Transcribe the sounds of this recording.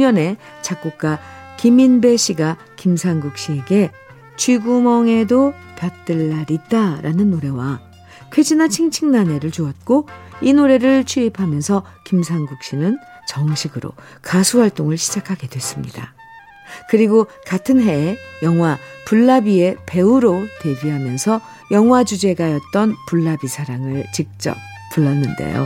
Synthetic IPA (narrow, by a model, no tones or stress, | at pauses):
ɲʌne̞ | t͡ɕak̚k͈uk̚k͈akiminbe̞ɕ͈ʰiɡa | kimsʰaŋɡuk̚ɕ͈ie̞ɡe̞ | t͡ɕʰɥiɡumʌŋe̞do | pjʌt̚t͈ɯɭːaɾit̚t͈aɾʔanɯnːoɾe̞wa | kʰwed͡ʑinat͡ɕʰiŋt͡ɕʰiŋnane̞ɾɯɭt͡ɕuʌt̚k͈oinoɾe̞ɾɯɭt͡ɕʰuipʰamjʌnsʰʌ | kimsʰaŋɡuk̚ɕ͈inɯn | t͡ɕʌŋɕʰiɡɯɾo̰ | kasʰuhaɭt͈oŋɯɭɕʰid͡ʑakʰaɡe̞dwe̞s͈ɯmɲida̰ | kɯɾiɡo | katʰɯnɦe̞jʌŋɦwapuɭːabie̞pe̞uɾote̞biɦamjʌnsʰʌ | jʌŋɦwad͡ʑud͡ʑe̞ɡajʌt̚t͈ʌnpuɭːabisʰaɾaŋɯɭt͡ɕik̚t͡ɕ͈ʌ̰p̚ | p͈ːuɭːʌnːɯnde̞̰jo̰